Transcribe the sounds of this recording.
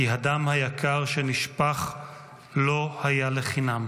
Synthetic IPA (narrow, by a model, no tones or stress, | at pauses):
iɦadamhajakʰaʁʃeniʃpaχ | lo̞hajaleχinam